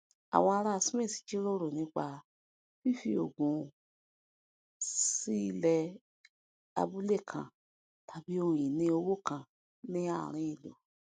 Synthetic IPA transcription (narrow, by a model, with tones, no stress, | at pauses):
a̰˨w̃ɔ̃˧a˧ɾa˦a˧si˦mẽ˦˨si̥˨d͡ʒi˦ɾo˦ɾo˨nĩ˨˧˦k͡pa˧ | fi˦˨fi˧˦o̰˨ɡũ˨ | si˦˧lɛ˧ | a̰˧bu˦le˦˨kʰã̰˨ | tʰa˨˧bi˦õ˧˨ĩ˨nĩ˧˦o˧wo˦˨kã˧ | nĩ˦a˦˨ɾ̃ĩ˦ĩ˨lo̰˨